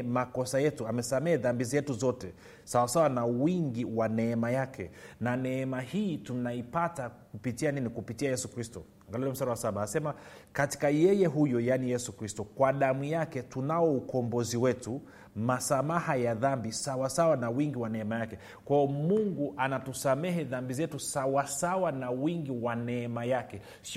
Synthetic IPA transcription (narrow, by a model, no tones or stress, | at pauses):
makɔsajɛtuamɛsamɛðambizɛtuzɔtɛ | sawasawanawiŋɡiwanɛːmajakɛnanɛːmahiːtunaipatakupitianinikupitiajɛsukɾistɔ | ŋɡalɛlɔm̩staɾawasaɓaasɛma | kati̥kajɛjɛɦujɔjanijɛsukɾistɔkwaɗamujakɛtunaɔukɔmbɔziwɛtu | masamahajaðambisawasawanawiŋɡiwanɛɛmajakɛ | kwajɔmuŋɡuʔanatusamɛɦɛðambizɛtusawasawanawiŋɡiwanɛɛmajakɛ | s